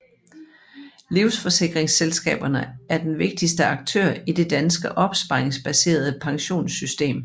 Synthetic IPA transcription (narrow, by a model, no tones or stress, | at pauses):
liʊsfɒ̽se̝ɡ̥ʁeŋselsɡ̥ɛ̰ːb̥ɐnəæɐd̥enʋe̝ɡ̥̚d̥isd̥əɑ̈ɡ̥̚t͡sʰø̰ɐid̥e̝d̥ænsɡ̥əʔɒ̽b̥sb̥ɑ̈ɪeŋsb̥æse̝̰ːɐð̞̩ˠəpʰɑ̈ŋɕo̝̰ːnsysd̥e̝̰ːm